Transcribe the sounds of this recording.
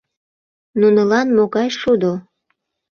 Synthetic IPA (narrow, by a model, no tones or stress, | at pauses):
nunəlɑnmoɣɑjʃud̪o